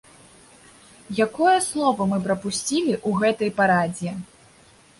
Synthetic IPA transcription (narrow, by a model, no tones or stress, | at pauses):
jakɔjɐslˠɔvɐmɨpɾɐpusʲt͡sʲilʲiʔuɣɛt̪ɐjpaɾad͡zʲjɛ